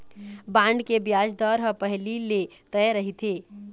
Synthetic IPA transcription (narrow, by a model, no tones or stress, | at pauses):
bãːɳɖkebjaːd͡ʒd̪ɔːɾɦə̃pɐɦlile | t̪ɛɛɾɐɦit̪ʰeː